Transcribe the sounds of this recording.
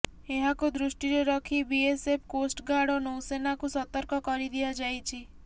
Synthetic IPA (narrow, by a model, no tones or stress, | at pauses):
eɦakud̪ɾusʈiɾɔɾɔkʰibiesepʰkosʈɡaɽɔnowsenakusɔt̪ɔɾkɔkɔɾid̪iad͡ʒajt͡ʃʰi